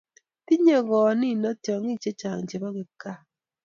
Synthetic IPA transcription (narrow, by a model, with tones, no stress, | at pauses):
ti˦ɲe˦˨ɣɔ˨ni˦˨nɔ˦tjɔ˨ŋi˦˨t͡ʃe˦t͡ʃa˨ŋt͡ʃe˨bɔ˦ɡe˨ka˦˨